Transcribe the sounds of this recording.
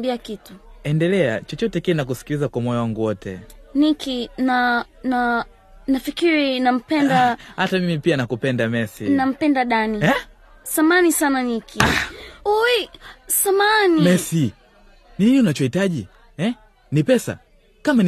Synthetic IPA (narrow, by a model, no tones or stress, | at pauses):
biakituɛndɛlɛa̰t͡ʃɔt͡ʃɔtɛkinak̬usi̥kilizakwamɔjawaŋɡuwɔtɛ̰nikʰina | na | nafikiɾinam̩pɛndahatamimipianakupɛndamɛsḭnam̩pɛndaɗaniɛ | samanisananikʰiuisamanimɛsi | nininiunat͡ʃɔhitaʄi | ɛ | nipɛsa̰ | kaman